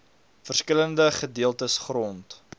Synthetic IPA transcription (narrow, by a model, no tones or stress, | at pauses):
fərskələndəχədiəlˠtəsχrɔnt